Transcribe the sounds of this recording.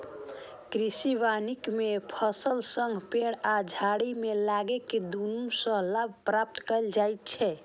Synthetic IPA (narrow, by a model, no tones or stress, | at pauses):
kɾisiʋanikmepʰəsəlsəŋɡʱpeɽad͡ʒʱaɽimelaɡeked̪unusə̃labʱpɾap̚t̪kəld͡ʒajt̪̚t͡ʃʰɛ